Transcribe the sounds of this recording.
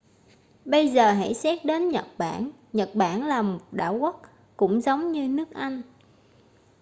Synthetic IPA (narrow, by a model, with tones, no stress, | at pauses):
ɓə˧jzəː˨˩ɦa̰˧˥jsɛ˦˥t̚ɗe˨˦nɲə˨˩t̚ɓaː˧˩nɲə˨˩t̚ɓaː˧˩nlaː˨˩mo˨˩t̚ɗa̰ː˧˩wɣə˦˥t̚ | kʊ̰˧˥ŋ͡mzə˨˦wŋ͡mɲɨ˧nɨ˦˥ək̚ʔa˧jŋ̟